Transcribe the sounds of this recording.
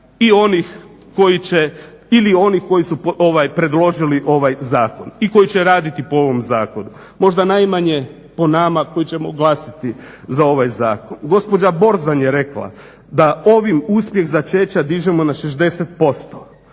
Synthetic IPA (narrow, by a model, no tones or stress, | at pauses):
io̞nix | ko̞jit͡ɕe | ilio̞nixko̞jisuoʋajpɾe̞d̪lˠo̞ʒiliʔo̞ʋajzaːko̞niko̞jit͡ɕeɾaːd̪it̪ipoo̞ʋo̞mzaːko̞nu | mo̞ʒd̪anajmaɲe | po̞namako̞jit͡ɕe̞moɡlˠasit̪izao̞ʋajzaːkonɡo̞spod͡ʑabo̞ɾzanjeɾe̞kla̰ | d̪ao̞ʋimuspje̞xzat͡ʃet͡ɕad̪iʒemo̞naʃeʒd̪e̞set̪̚po̞st̪o̥